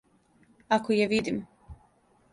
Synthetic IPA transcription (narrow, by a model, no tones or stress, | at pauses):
akojeʋid̪im